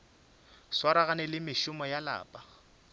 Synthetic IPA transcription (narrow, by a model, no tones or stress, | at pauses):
swaɾaɣanɛlɪmɪʃʊmɔjala̰ːpʼa